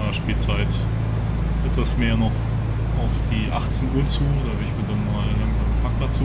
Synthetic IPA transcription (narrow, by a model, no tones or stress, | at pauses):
aːʃpiːlt͡saɪt | ʔɛtv̥asmeːɐnɔχ | ʔaʊfd̥iːʔa̰χt͡snʔuɐt͡suːodɐavɛɐɪçmiːɐdanmaːlɪŋntv̥aɪn̩pʰaːk̚plat͡sː